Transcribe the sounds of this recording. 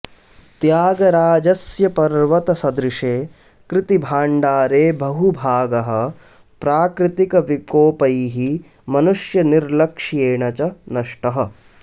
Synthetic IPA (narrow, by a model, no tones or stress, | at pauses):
t̪jaːɡɐɾaːd͡ʒɐsjɐpɐɾʋɐt̪ɐsɐd̪ɾɪʂeː | kɾɪt̪ibʱaːɳɖaːɾeːbɐɦubʱaːɡɐɦɐ̆ | pɾaːkɾɪt̪ikɐʋikoːpɐjɦi | mɐnuʂjɐniɾlɐkʂjeːɳɐt͡ʃɐnɐʂʈɐɦɐ̆